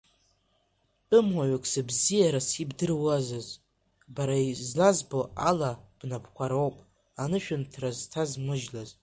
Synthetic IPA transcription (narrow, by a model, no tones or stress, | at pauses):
pʼɨmwaɥakʰʼsabzijaɾasibdɨrwazaz | baɾaizlazboalab̥napʰkʷʰaɾowpʼ | anɨʃᶣʊntʰraztʰazmɨʒlaz